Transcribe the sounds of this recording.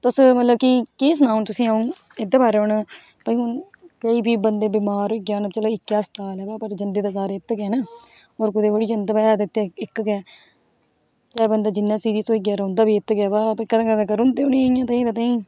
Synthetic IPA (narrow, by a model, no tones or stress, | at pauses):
t̪ʊsmət̪ləb̚kikɪs̬nãːʊnt̪ʊsĩːaːũː | ed̪aːbaːɾeʊn | pəĩʊn | kəiːbʱiːbənd̪eːbɪmaːɾoːɡaːnt͡ʃəloːɪkːjaːst̪aːlɛːbaːpəɾd͡ʒənd̪eːd̪aːsaːɾeːt̪ːɡɛːnaː | oːɾkʊd̪eːʋoɽiːd͡ʒənd̪aːbɛːd̪ɪt̪ːeɪkɡɛː | t͡ʃɛːbənd̪aːd͡ʒɪnːãːsiːd̪iːsoːiɡjaːɾəːnd̪aːbiːɪt̪ɡɛːbaːpekəd̪ãːkəãːkəɾʊnd̪eːʊniːɪjãːt̪aĩːd̪aːt̪aːĩː